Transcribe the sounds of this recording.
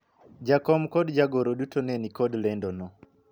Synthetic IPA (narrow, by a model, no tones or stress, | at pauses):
d͡ʒakɔmkɔdd͡ʒaɡoɾodutonɛnikɔdlɛndɔnɔ